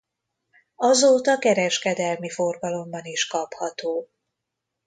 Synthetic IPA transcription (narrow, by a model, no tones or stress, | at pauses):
ɒzoːt̪ɒkɛɾɛʃkɛd̪ɛlmifo̞rɡɒlo̞mbɒniʃkɒphɒt̪oː